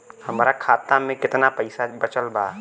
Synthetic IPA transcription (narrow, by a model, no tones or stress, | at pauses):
hɐmːɾakʰaːt̪amẽkɪt̪napəɪsabɐt͡ʃəlbaː